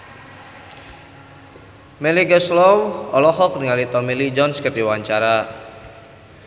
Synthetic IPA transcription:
meliɡəslɔwɔlɔɦɔkniŋalit̪ɔmilid͡ʒɔnskət̪iwaɲt͡ʃaɾa

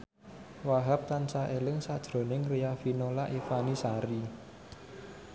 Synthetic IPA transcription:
waɦap̚t̪ansaʔelɪŋsad̥ʒ̥ɾo̤nɪŋrijafinolaʔifanisaɾi

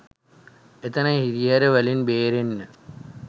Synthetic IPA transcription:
et̪ənəhiɾijaɾəʋælinbeːɾenːə

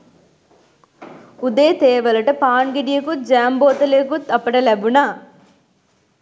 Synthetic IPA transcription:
ud̪eːt̪eːʋɐlɐʈɐpaːnɡiɖijɐkud͡ʒaːmboːt̪ɐleːkut̪ɐpːɐʈɐlɐbuna

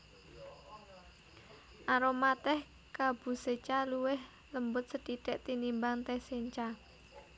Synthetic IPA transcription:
ʔaɾomat̪ɛh | kab̥ṳset͡ʃaluwɪh | ləmbʊt̪̚səd̪̥iɖ̥ɛʔt̪inimbaŋt̪eseɲt͡ʃa

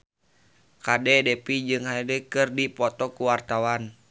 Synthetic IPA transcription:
kadɛdɛpid͡ʒɨŋhaɛdɛkɨrdipɔt̪ɔkuwart̪awan

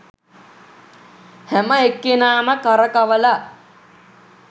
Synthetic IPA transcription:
hæməekːenaːməkaɾəkaʋəla

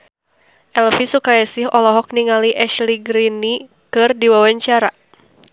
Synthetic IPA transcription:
ʔɛlfisukajasɪɦɔlɔɦɔk̚niŋaliʔɛʃliɡɾini | kɨrdiwawaɲt͡ʃaɾa

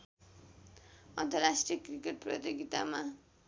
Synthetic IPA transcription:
ʌ̰nt̪ʌrasʈrijʌkrikeʈ̚prʌ̰t̪iɡit̪a̰ma

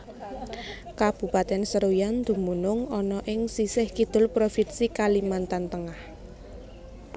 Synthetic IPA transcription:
kab̥ṳpat̪ɛnsəɾojand̪̥ṳmunʊŋɔnɔʔɪŋsisɪhkid̪̥ʊ̤lpɾofinsikalimant̪ant̪əŋah

